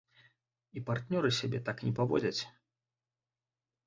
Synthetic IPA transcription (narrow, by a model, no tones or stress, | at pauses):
ipart̪nʲɔɾɨsʲabʲɛt̪aknʲɛpavɔ̰d͡zʲɐt͡sʲ